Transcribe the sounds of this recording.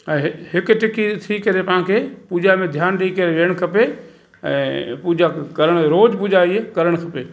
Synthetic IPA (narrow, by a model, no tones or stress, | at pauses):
ɛ̃ːɦɦɪkʈɪkit̪ʰikɐɾepɐɦãkʰepuːd͡ʒamẽd̪ʱjaːnɗikɐɾeʋeːəɽ̃kʰɐpe | ɛ̰̃ːpud͡ʑakɐɾəɽ̃ɾoːd͡ʑbʊd͡ʒʱaːikɐɾəɽ̃kʰɐpeː